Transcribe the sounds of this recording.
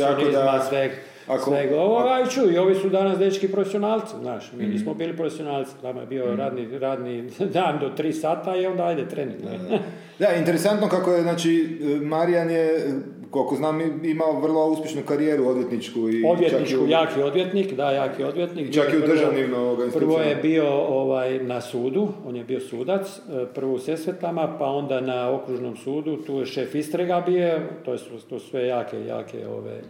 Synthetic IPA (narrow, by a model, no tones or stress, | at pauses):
t̪anezmasʋeɡ | asʋeɡoʋoɡait͡ʃuio̞ʋisud̪anasd̪et͡ʃkipɾofesionaːlt̪siznaːʃmiːniːsmobiːlipɾofesijonaːlt̪si̥nama̰jebioɾaːd̪niɾaːd̪nid̪and̪ot̪ɾiːsaːt̪aio̞nd̪aajd̪et̪ɾenit̪no̰ | d̪aint̪eɾesant̪nokakojeznaːt͡ʃimaɾianje | kolkoznaːmimaoʋr̩lˠouspʲje̞ʃnukaɾijeːɾuod̪jet̪nit͡ʃkuio̞d̪ʋjetnit͡ʃkujaːkio̞d̪ʋjet̪nikd̪ajaːkio̞d̪ʋjet̪niːkt͡ʃaiupd̪rʒaʋnimooɾɡanispr̩ʋojebio̞oʋajnasuːd̪uo̞ːnjebio̞suːd̪at̪s | pr̩ʋouse̞sʋet̪amapao̞nd̪anao̞kɾuʒnomsuːd̪ut̪uːjeʃe̞ːfist̪ɾeɡabio̞t̪ojst̪usʋe̞jaːkḛja̰ːkḛo̰ʋa̰j